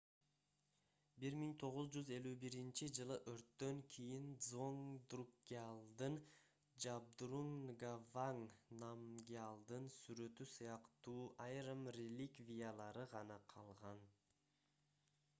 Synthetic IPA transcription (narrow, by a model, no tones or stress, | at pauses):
biɾmiŋt̪ʰo̞ʁuzd͡ʒyze̞lʲyːbiɾint͡ʃid͡ʒɯlˠɯʔøɾt̪ːø̞ŋkʰijind̪zo̞ŋd̪rukːʲialˠd̪ɯn | d͡ʒab̚d̪ɾuŋɡavaŋnamɡʲialˠd̪ɯnsyɾø̞t̪ysɯjɑqt̪uːʔajɾɯmrʲelʲikvʲijalˠɑɾɯʁɑnɑqʰɑlˠʁɑn